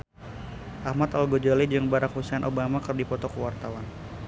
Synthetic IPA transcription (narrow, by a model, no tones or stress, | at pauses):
ʔahmat̪alɡod͡ʒalid͡ʒɨŋbaɾakhusɛnʔobamakɨrdipɔt̪ɔkuwart̪awan